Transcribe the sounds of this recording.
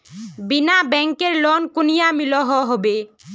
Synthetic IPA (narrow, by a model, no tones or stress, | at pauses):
binabɛŋkeɾlɔnkunijamilɔɦɔɦɔbe